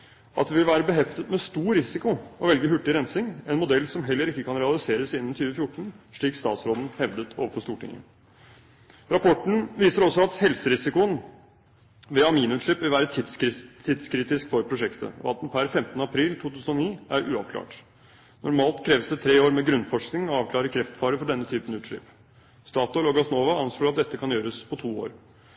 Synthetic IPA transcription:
ʔɑt̪d̪ɛʋɪlʋæːɾəbəɦɛft̪ət̪mɛst̪uːɾɪsɪkʊɔʋɛlɡəɦʉʈːɪɾɛnsɪŋɛnmʊd̪ɛlːsɔmɦɛlːəɾɪkːəkɑnɾɛɑlɪseːɾəsiːd̪n̩t̪ʰyːʋəfjʊʈːɳ̩ʂɭiːkst̪ɑ̰ːt̪sɾoːd̪n̩hɛʋd̪ət̪ʰoːʋəfɔst̪uːʈʰɪ̰ŋːə̰ | ɾɑpʰɔʈɳ̩ʋiːsəɾɔsːɔɑt̪hɛlsəɾɪsɪkʊən | ʋɛɑmiːnʉːt̪ʂɭɪpʋɪʋæːɾət̪ʰɪd̪st̪ʰːɪd̪skʰɾiːt̪ɪskfɔɾpʰɾʊʂɛkt̪ʰə̰ɔ̰ɑ̰t̪̚d̪npʰæɾfɛmt̪ənəɑpʰɾiːlt̪ʰuːt̪ʰʉːsən̩ɔniːæɾʔʉ̰ːɑ̰ʋkʰlɑ̰ːʈ | nɔɾmɑːlt̪kʰɾeːʋəsd̪ɛt̪ʰɾeːoːɾmɛɡɾʉnːfɔʂknɪŋɔɑːʋkʰlɑːɾəkʰɾɛft̪fɑːɾəfɔɖɛnːət̪ʰyːpənʉːt̪ʂɪ̰p | st̪ɑːt̪əlɔɡɑsnoːʋɑɑnsluːɑt̪̚d̪ɛt̪ːəkʰɑnjøːɾəspʰɔt̪ʰuːoːɾ

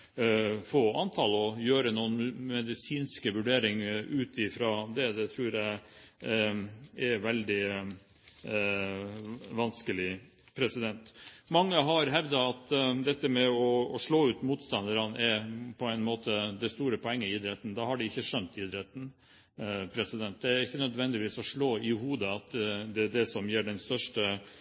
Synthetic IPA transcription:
foːɑnt̪ʰɑːlɔjøːɾənuːənmɛd̪ɪsiːnskəʋʉɖeːɾɪŋʔʉːt̪ɪfɾɑd̪ɛd̪ɛt̪ʰɾʉːɾjæɪ | ɛɾʋɛld̪ɪ | ʋɑnskəlɪ | pʰɾɛsɪd̪ɛnt̪mɑŋːəɦɑɾɦɛʋd̪ɑɑt̪d̪ɛt̪ːəmɛɔːʂɭoːʉːt̪muːt̪st̪ɑnd̪əɾənʔɛɾpʰɔɛɪnmoːt̪əd̪ɛst̪uːɾəpʰɔɛŋːəɪːd̪ɾɛt̪ːn̩d̪ɑhɑɖɪɪçːəʂœnt̪ɪd̪ɾɛt̪n̩ | pʰɾɛsɪd̪ɛnt̪̚d̪ɛæɾɪçːənœd̪ʋɛnd̪ɪʋiːsɔʂɭoːɪhuːd̪əɑt̪d̪ɛɖ̪ɛsɔmjiːɖɛnst̪œʂʈə

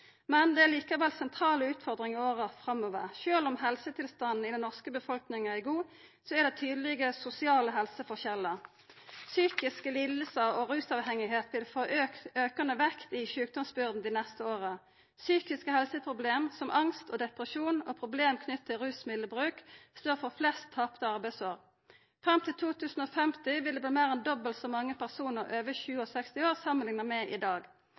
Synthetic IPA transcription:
mɛnd̪ɛæʁliːkɑʋɛlsɛnt̪ʰɾɑːləʉːt̪fɔʁd̪ʁɪŋioːʁəfʁɑmoːʋəʁʃøːlɔmɦɛlsət̪ʰɪlst̪ɑnn̩ɪd̪ɛnːɔʁskəbəfɔlknɪŋ̩æɡuː | sɔæʁd̪ɛt̪ʰyːd̪əlɪɡəsʊsɪɑːləɦɛlsəfɔʁçɛlːəʁ | syːkɪskəlɪlːəsəʁɔʁʉːsɑʋhɛŋɪɦeːt̪ʋɪlfoʔøːk̪øːkɑnəʋɛkt̪ɪʃʉːk̚d̪ɔmsbʏʁd̪n̩d̪iːnɛst̪əoːʁə | syːkɪskəhɛlsəpʰʁʊbleːmsɔmʔɑŋst̪oːd̪ɛpʁəʃuːno̰ːpʰʁʊbleːmkʰnʏt̪̚t̪ʰːɪlʁʉːsmɪləbʁʉːkst̪oːʁfɔʁflɛst̪ʰːɑpt̪əɑʁbæɪsoːʁ | fʁɑmt̪ʰɪlt̪ʰuːt̪ʰʉːsn̩oːfɛmt̪ɪʋɪld̪ebliːmeːʁɛnd̪ɔbəlt̪sɔmɑŋːəpæʁsuːnəʁøːʋəçʉːəɔsɛkst̪ɪoːʁsɑmːənlɪŋnəʁmɛʔɪd̪ɑːɡ

